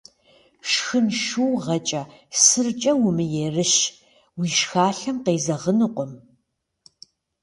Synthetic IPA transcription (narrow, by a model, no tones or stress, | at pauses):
ʃxɨnʃuwʁɐt͡ʃʼɐsɨrt͡ʃʼɐwʊmɨjeːrɨʃ | wiːʃxaːɬɐmqeːzɐʁənɨqʷɔm